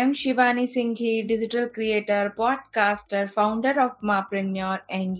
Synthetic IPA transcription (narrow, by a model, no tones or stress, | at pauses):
ɛmʃɪʋaːnisɪ̃ŋɡʱiɖɪd͡ʒɪʈəlkɾieːʈəɾpɔːɖ̚kaːsʈəɾfaʊ̃ɳɖəɾɔːfmaːpɾɪnjɔːɾɛ̃ɳɖ